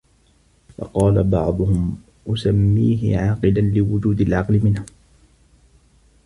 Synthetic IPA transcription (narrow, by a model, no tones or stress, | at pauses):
fɑ̰qɑːlabɑʕd̪ˤʊhʊm | ʔʊsamːiːɦɪ̰ʕɑːqɨlanlɪwʊd͡ʒuːd̪alʕɑqlɪmɪnhʊ